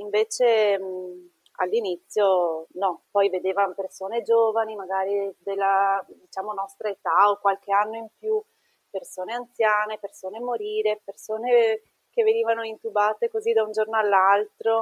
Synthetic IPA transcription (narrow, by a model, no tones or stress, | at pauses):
iɱveːt͡ʃe | a̰lːinit̪sːjonɔpɔjved̪eːvampersoːned͡ʒoːvanimaɡaːɾid̪elːad̪it͡ʃaːmonɔst̪ɾaet̪aokwalkeanːoimpju | persoːneant̪sjaːnepersoːnemoɾiːɾepersoːne | kevːeniːvanoint̪ubaːt̪ekozid̪aund͡ʒornoalːalt̪ɾo